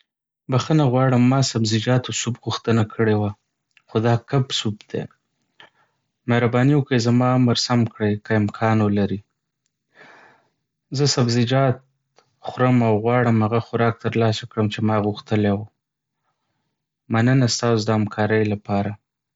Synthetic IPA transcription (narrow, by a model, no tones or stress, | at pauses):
baxənaɣwɑɽəmːɑsabzɪd͡ʒɑt̪osubɣuxt̪ənakʰəɽewa | xod̪ɑkabsubd̪̥ḛ | mehɾabɑniwəkezamɑaməɾsamkɽejkaɪmkʰɑnwəlaɾi | zəsabzɪd͡ʒɑt̪̚ | xʊɾəmawɣwɑɽəmhaɣaxʊɾɑk̚t̪əɾlɑsakɽəmt͡ʃemɑɣuxt̪əlew | manənast̪ɑsod̪əhamkʰɑɾəjlapɑɾa